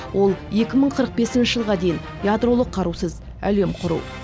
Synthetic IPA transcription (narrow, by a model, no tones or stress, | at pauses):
wo̞lˠje̞kʲɪməɴqʰəɾəq̚be̞sɪnʃɪʒəlˠʁɑd̪e̞jɪn | jad̪ɾo̞lˠəqʰːɑɾusəz | æ̰le̞mqʰʊɾṵw